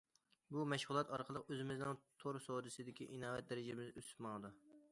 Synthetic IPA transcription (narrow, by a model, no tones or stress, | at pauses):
bumɛʃʁʊlˠɑt̪ɑɾqʰəlˠəqøzɪmɪznɪŋt̪ʰoɾsowd̪ɨsɨd̪ɪkʲiʔinɑːvɛt̪̚d̪ɛɾɪd͡ʒɪmɪzøsmɑŋd̪u